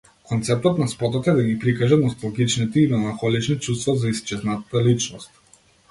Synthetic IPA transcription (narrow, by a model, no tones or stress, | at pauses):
kɔnt̪sɛp̚t̪ɔt̪naspɔt̪ɔt̪ɛd̪aɡipɾikaʒat̪nɔst̪alɡit͡ʃnit̪ɛimɛlˠaŋxɔlit͡ʃnit͡ʃust̪vɔzaist͡ʃɛznat̪at̪alit͡ʃnɔst̪̚